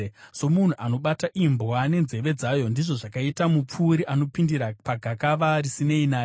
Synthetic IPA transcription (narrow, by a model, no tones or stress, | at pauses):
so̞mun̤uʔano̞ɓataʔimbwane̞nze̞ʋe̞d͡zaːjo̞ndiʐo̞ʐakaitamup͡fuːɾiʔano̞pindiɾapaɡʱakaʋarisine̞inaːj